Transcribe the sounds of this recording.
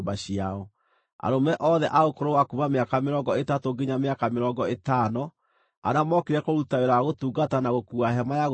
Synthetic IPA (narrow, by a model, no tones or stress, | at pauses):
baɕiaɔ | a̰ɾomɛʔɔðɛʔaokoɾowakumameakameɾɔŋɡɔetatoɡeɲameakameɾɔŋɡɔetanɔ | a̰namɔkeɾɛkoɾutaeɾaɣotuːɡatanaɣokuaɦɛmajaɣ